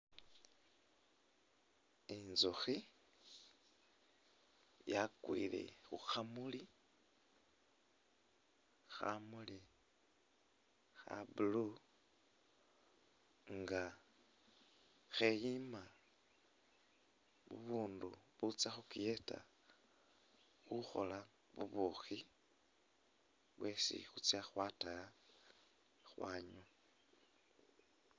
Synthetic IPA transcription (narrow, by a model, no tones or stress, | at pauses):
inzoxi | jakwḭlḛxuxamuli | xa̰muli | xa̰bulu | ŋɡa | xejima | βṵβuːnduβut͡saxukieta̰ | xuxo̞̰la | βṵβuxi | βwe̞sḭxut͡sjaxwataja | xwaːɲu